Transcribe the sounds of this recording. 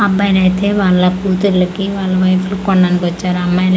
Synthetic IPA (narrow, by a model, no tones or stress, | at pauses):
ɐbːɐjlɐjt̪eːʋaːɭːɐkuːt̪uɾlɐkiʋaːɭːɐʋɐjfʰulukːɔɳɖɐːnikiɐt͡ʃːaːɾɐmːajl